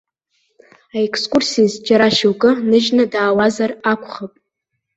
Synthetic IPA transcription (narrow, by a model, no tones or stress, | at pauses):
aekʰskʷʼursizd͡ʒʼaɾaʃowkʼɨnɨʒnadaːwazarakʷʰχapʼ